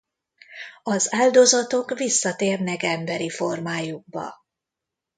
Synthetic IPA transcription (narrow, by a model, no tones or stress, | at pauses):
ɒzaːld̪o̞zɒt̪o̞kvisːɒt̪eːrnɛkɛmbɛɾifo̞rmaːjuɡ̚bɒ̰